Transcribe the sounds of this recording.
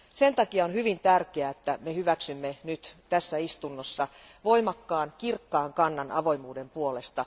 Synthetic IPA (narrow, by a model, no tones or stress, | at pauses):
sent̪ɑkiɑonhyʋint̪ærkeæet̪ːæmehyʋæksymːenyt̪t̪æsːæist̪unːosːɑʋoimɑkːɑːnkirkːɑːŋkɑnːɑnʔɑ̰ʋo̞imuːdempuolest̪ɑ